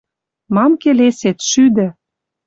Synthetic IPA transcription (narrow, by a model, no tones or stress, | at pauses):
mɑmkeleset̪ʃyd̪ɘ̆